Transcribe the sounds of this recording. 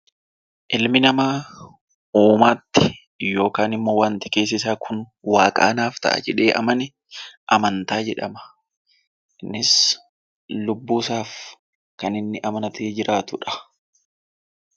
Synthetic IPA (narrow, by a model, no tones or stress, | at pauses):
ʔɪlmɪnɐmaː | uːmaːt̪ːɪ̥ | jo̞ːkaːnɪmːoːwaːnt̪ɪke̞ːs̬ɪs̬aːkʰʊn | waːkʼa̰ːnaːft̪ɐ̰ʔɐ̰d͡ʒɛᶑe̞ːʔɐ̰mɐnɪ | ʔɐmɐnt̪aːd͡ʒɛᶑɐmɐ̥ | nːɪs | lʊbːuːsaːf | kɐnɪnːɪʔɐmɐnɐt̪ʰeːd͡ʒɪɾʔaːt̪ʊᶑɐ̥